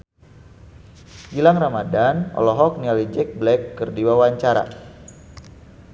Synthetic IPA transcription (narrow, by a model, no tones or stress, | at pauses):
ɡilaŋramadanɔ̰lɔɦɔk̚nialid͡ʒɛk̚blɛkːərdiwawaɲt͡ʃaɾa̰